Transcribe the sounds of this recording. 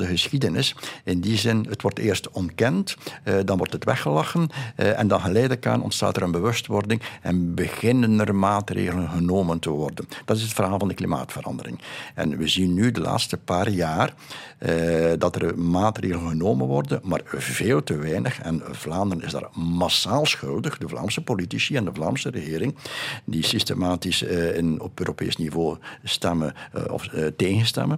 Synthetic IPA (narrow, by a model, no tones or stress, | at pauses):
dəɣəsxidənɪsɪndizɪnətʋɔrteːrstɔntkɛntdɑnʋɔrtɦətʋɛxəlɑxənʔɛ̰ndɑnɣəleːdəka̰ːnʔɔ̰ntsta̰ːtɛɾənbəʋɵstʋɔrdɪŋɛnbəɣɪnənərmaːtrḛːɣələnɣənoːməntəʋɔrdənd̥ɑtɪsətfərɦaːlˠvɑndəklima̰ːtfəɾɑ̰ndəɾɪ̰ŋɛ̰nʋəzinːydəla̰ːtstəpaːrjaːr | dɑtərmaːtreːɣələnɣənoːmənʋɔrdənma̰ːrveːlˠtəʋɛjnəxɛ̰nvlaːndəɾənɪzda̰ːrmasaːlˠsxɵlˠdəɣdəvla̰ːrmsəpolitisiɛndəvla̰ːmsərəɣɪːɾɪŋdisistemaːtisnɔ̰pøːɾopḛːsnivoːstɛməɔ̰fteːɣənstɛ̰mən